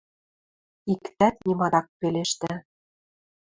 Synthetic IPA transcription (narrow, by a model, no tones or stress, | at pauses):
ikt̪æt̪nʲimɑd̪ɑk̚peleʃt̪æ